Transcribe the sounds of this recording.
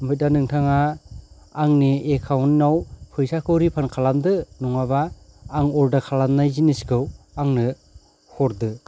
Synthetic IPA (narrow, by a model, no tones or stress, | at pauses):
mɯdanɯŋtʰaŋaː | ŋniekʰawnːawpʰɯjsakʰɯwɾipʰankʰalandɯnɔŋabaː | ŋɔldakʰalanːajziniskɯw | aŋnɯ | hɔɾdɯ